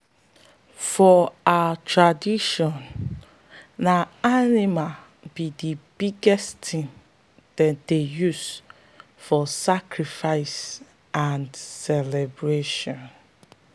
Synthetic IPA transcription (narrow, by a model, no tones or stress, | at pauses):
fɔatʰɹadiʃɔ̃n | naanima | bidibiɡɛstʰĩm | d̥ɛdejus | fɔsakɹifaɪs | ãndsɛlɛbɹeʃɔ̃n